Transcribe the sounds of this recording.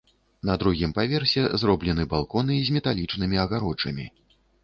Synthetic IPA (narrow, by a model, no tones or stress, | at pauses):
nɐd̪ɾuɣʲimpavʲɛrsʲɛzɾɔblʲɛnɨbalˠkɔnɨzʲmʲɛt̪alʲit͡ʂnɨmʲiɐɣaɾɔt͡ʂɐmʲi